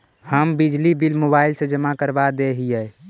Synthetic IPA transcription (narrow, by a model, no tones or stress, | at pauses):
həmbid͡ʒlibilmobailsẽd͡ʒəmakəɾbad̪eɦijɛ